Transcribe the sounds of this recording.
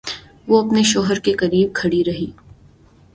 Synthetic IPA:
ʋoɐpneʃɔːɦəɾkekɐɾiːb̚kʰɐɽiɾɐɦiː

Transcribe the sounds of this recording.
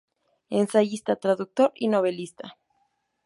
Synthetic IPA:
ensaʝist̪at̪ɾaðuk̚t̪o̞ɾino̞βe̞list̪a

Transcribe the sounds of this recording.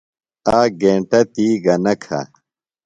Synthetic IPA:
aːɡẽːɳʈɐt̪iːɡɐnɐkʰa̰

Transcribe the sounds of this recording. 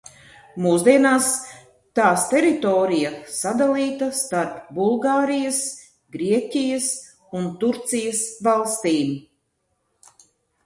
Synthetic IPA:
muːzd̪iɛnaːs | t̪aːst̪ɛɾit̪ɔːɾijasad̪alˠiːt̪ast̪aɾpbulˠɡaːɾijas | ɡɾiɛcʲijas | unt̪uɾt̪sijasvalˠst̪iːm

